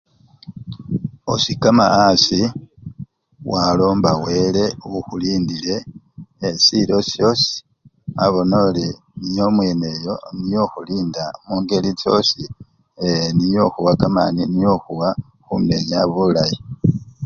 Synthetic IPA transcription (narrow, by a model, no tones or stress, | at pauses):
osikama̰asi | walo̞ːmbawe̞ːle̞uxuliːndile̞ː | silo̞sjo̞si̥ | aβo̞no̞ːli | nijo̞mwe̞ne̞jo̞nijo̞xuliːndamuːŋɡe̞lit͡so̞̰si | enijo̞xuwakama̰ninijo̞xuwa | xumne̞ɲaβulaji